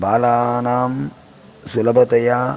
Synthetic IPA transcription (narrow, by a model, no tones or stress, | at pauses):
baːlaːnaːm | sulɐbɐt̪ɐja